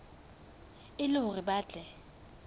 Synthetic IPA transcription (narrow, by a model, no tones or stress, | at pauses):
ɪlʊʊɣɪbaːt͡ɬʼɛ